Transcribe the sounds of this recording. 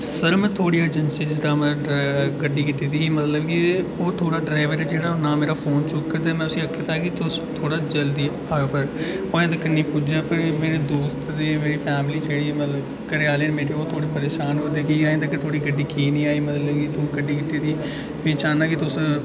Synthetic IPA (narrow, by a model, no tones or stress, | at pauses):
səɾmɛ̃ːt̪ʰoːɽiːəd͡ʒənsiːd͡ʒɪzd̪aːmɛ̃ɡəɖiːkɪt̪iːt̪iːmət̪ləbkioːt̪ʰoːɽaːɖɾaːɪʋəɾɛːd͡ʒeːɽaːnãːmeːɾaːpʰoːnt͡ʃʊkːt̪eːmɛ̃ːʊsĩəkʰːeːt̪aːkɪt̪ʊst̪ʰoːɽaːd͡ʒəld̪iː | aːpəɾ | oːẽːd̪əkənːĩːpʊd͡ʒaːpəɾmeːɾeːd̪oːst̪d̪eːmeːɾiːpʰɛːmliːd͡ʒeːɽiːmət̪ləb | kəɾeaːleːnːmeːɾeːoːt̪ʰoːɽeːpəɾeːʃaːnɦoːd̪eːkiaːẽːd̪əkɪt̪ʰoːɽiːɡəɖiːkiːnĩːaːiːmət̪ləbkit̪uːɡəɖiːkɪt̪iːt̪iː | pĩːt͡ʃaːnaːkɪt̪ʊs